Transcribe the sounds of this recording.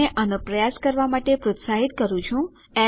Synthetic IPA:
eʔənupɾəjaskəɾʋamaʈepɾʊt̪saɦit̪kəɾũt͡ʃʰũ | ɛ

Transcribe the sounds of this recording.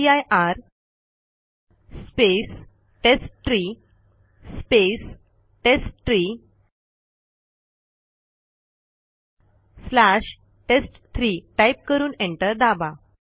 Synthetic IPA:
ajʔaɾ | spes | ʈesʈʈɾiː | spes | ʈesʈʈɾi | slaɕ | ʈesʈt̪ʰɾiːʈajp̚kəɾuːnẽɳʈəɾd̪aba

